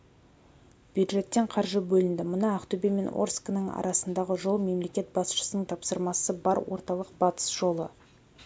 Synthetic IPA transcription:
b̥jud̪ʒe̞t̪ːe̞ɴqʰɑɾʒəbɵlɪnd̪ɪmʊnɑæqt̪ʰɵbeme̞nʔo̰rsknəɴɑ̰ɾʔɑsənd̪ɑʁəʒo̞lˠme̞mle̞kʲe̞t̪̚bɑsʃə̥sənəɴt̪ʰɑpsəɾmɑsəbɑɾwo̞̰ɾt̪ɑlˠəqb̥ɑt̪ə̥sʒ̥o̞lˠə

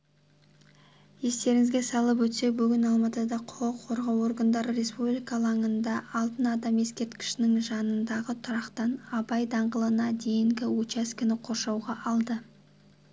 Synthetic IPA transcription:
je̞st̪e̞ɾɪŋɪzɡʲe̞sɑlˠəp̬wɵt̪se̞k̚bʏɡʲɪnɑlˠmɑt̪əd̪ɑqʰʊəqʰo̞ɾʁɑwo̞ɾɡand̪ɑɾəɾe̞spublijkɑlˠɑŋənd̪ɑːlˠt̪ənɑd̪ɑmje̞skʲe̞ɾt̪kʲɪ̥ʃɪnɪŋʒɑnənd̪ɑʁət̪ʰʊɾɑqt̪ɑnɑbɑjd̪ɑɴʁəlˠənɑd̪e̞jɪŋɡʲɪwot͡ʃɑskʲɪnɪqʰo̞ɾʃɑwʁɑʔɑlˠd̪ə

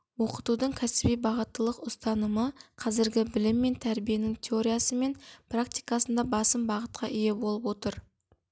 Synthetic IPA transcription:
wo̞qət̪ud̪əɴkʲʰæsɪbijbɑʁət̪ːəlˠəqʊst̪ɑnəməqʰɑzɪɾɡʲɪbɪlɪmːe̞nt̪ʰæɾbije̞nɪŋt̪ʲʰeo̞ɾijasəme̞nprakt̪ijkɑsənd̪ɑbɑsəmbɑʁət̪̚qʰɑʔije̞bo̞lˠəpwo̞t̪əɾ

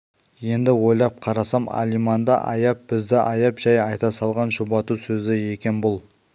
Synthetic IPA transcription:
je̞nd̪ɪwo̞jlˠɑp̚qʰɑɾɑsɑmɑ̰lijmɑnd̪ɑ̰ʔɑ̰jɑp̚b̥ɪzd̪ɪʔɑjɑpʒɑjɑjt̪ɑsɑlˠʁɑnʒobɑt̪usɵzɪje̞kʲe̞nbʊlˠ

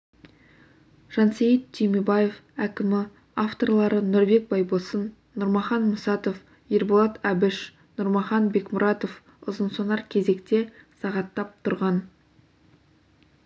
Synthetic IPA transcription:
ʒ̥ɑnsejət̪t̪ʰːemebɑje̞fækʲɪmɪ | aft̪o̞rlˠɑɾənʊɾbe̞k̚bɑjbosənː | ʊɾmɑχɑnmʊsɑt̪o̞f | jeɾbolˠɑt̪æbɪʃ | nʊɾmɑχɑnbe̞kmʊɾɑt̪o̞f | ʊ̰zənsonɑɾkʲʰe̞ze̞kt̪e̞sɑʁɑt̪ːɑp̚t̪ʰʊɾʁɑn

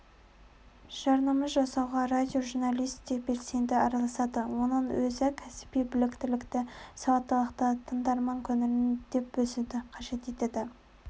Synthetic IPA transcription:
ʒ̥ɑɾnɑmɑzʒɑsɑwʁɑɾad̪ʲio̞ʒuɾnɑlʲˠijst̪t̪ekbe̞lse̞nd̪ɪɑɾɑlˠɑsɑd̪əwo̞nənwɵzɪkʲʰæsɪ̥pijbɪlɪkt̪ɪlɪkt̪ɪsɑwɑt̪ːɑlˠəqt̪ət̪ʰənd̪ɑɾmɑŋkʲʰɵnɪɾɪnd̪̥e̞p̚bɵsɪd̪ɪqʰɑʒe̞t̪e̞t̪ed̪ɪ

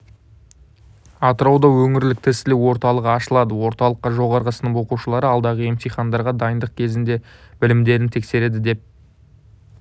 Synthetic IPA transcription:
ɑt̪əɾɑwd̪ɑwɵŋɪɾlɪk̚t̪ʰɪsɪlɪwo̞ɾt̪ɑlˠəqɑʃəlˠɑd̪əwo̞ɾt̪ɑlˠəqːɑʒo̞ʁɑɾʁəsənəɴo̞quʃəlˠɑɾəɑlˠd̪ɑʁəemt̪ijχɑnd̪ɑɾʁɑd̪ɑjənd̪əq̚kʲʰe̞zɪnd̪e̞b̥ɪlɪmd̪e̞ɾɪnt̪ʰekse̞ɾe̞d̪ɪd̪e̞p̚

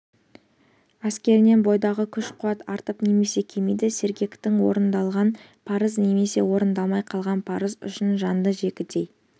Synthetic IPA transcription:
æskʲe̞ɾɪne̞nbo̞jd̪ɑʁəkʲʰʏʃqʰuɑt̪ɑɾt̪əpne̞me̞se̞kʲʰe̞mijd̪ɪse̞ɾɡʲe̞kt̪ɪŋwo̞̰ɾənd̪ɑlˠʁɑn | pʰɑɾəzne̞me̞se̞̰wo̞ɾənd̪ɑlˠmɑjqʰɑlˠʁɑnpʰɑɾəzʏ̰ʃɪnʒɑnd̪əʒe̞kʲɪt̪e̞j

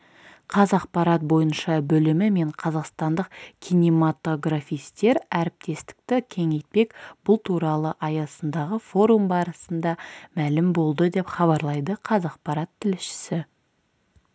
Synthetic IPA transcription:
qʰɑzɑqpɑɾɑt̪̚bo̞jənʃɑbɵlɪmɪme̞ɴqʰɑzɑqst̪ɑnd̪əqkʲʰijnimat̪o̞ɡrafʲijst̪e̞ɾæɾɪp̚t̪e̞st̪ɪ̥k̚t̪ɪkʲʰe̞ŋe̞jt̪̚pe̞kb̥ʊlˠt̪ʰuɾɑlˠəʔɑjɑsənd̪ɑʁəfo̞ɾumbɑɾəsənd̪ɑmælɪmbo̞lˠd̪əd̪e̞pχɑβɑɾlˠɑjd̪əqʰɑzɑq̚pɑɾɑt̪ʰːɪlɪʃɪ̥sɪ

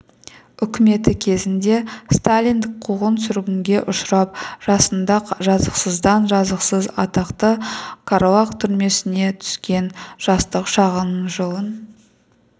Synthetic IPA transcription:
ʏkʲɪme̞t̪ɪkʲʰe̞zɪnd̪e̞st̪alʲijnd̪ɪk̚qʰuʁənsʏɾɡʲɪŋɡʲe̞ʔʊʃɾɑp̚ʒ̥ɑsənd̪ɑqʒɑzəqsəzd̪ɑnʒɑzəqsəzɑt̪ɑqt̪əkʰaɾolɑqt̪ʰʏɾme̞sɪne̞t̪ʰʏ̥skʲe̞nʒ̥ɑst̪əqʃɑʁənəɴʒəlˠən

